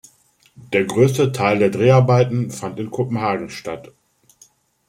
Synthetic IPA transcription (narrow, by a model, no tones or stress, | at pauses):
d̥eːɐɡʁøːstətʰaɪldeːɐdʁeːaɐbaɪtn̩fantɪnkʰopm̩ɦaːɡŋ̩ʃtat